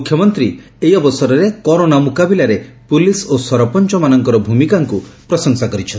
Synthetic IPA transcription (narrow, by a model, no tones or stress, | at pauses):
mukʰjɔmɔnt̪ɾi | ejɔbɔsɔɾɔɾekɔɾonamukabilaɾepulisosɔɾɔpɔnt͡ʃɔmanɔŋkɔɾɔbʱumikaŋkupɾɔsɔŋsakɔɾit͡ʃʰɔn